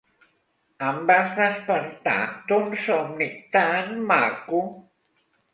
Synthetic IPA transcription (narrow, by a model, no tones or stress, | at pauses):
ambasðaspant̪a̰t̪onsomnɪk̚t̪anmaku